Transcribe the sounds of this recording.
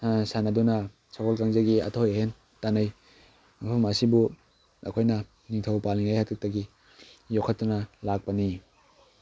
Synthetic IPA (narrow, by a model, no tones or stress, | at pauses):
sanɐdunɐ | sʰakʰɔlkaŋzaɡia̰tʰojehen | tanɐj | mapʰɐmɐsibu | ɐ̰kʰojnɐ | niŋtʰɐwpaliŋajhatʰɯk̚tɐɡi | jokʰɐt̚ːunɐlak̚pɐni